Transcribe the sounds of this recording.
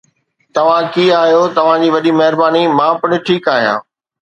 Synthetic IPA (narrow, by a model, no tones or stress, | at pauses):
t̪ɐʋ̤ãkiːaːɦijot̪ɐʋ̤ãd͡ʑiːʋɐɗimɐɦɪɾbaːnimãːpʊɽ̃ɪ̆ʈʰiːkaːɦijã̰ː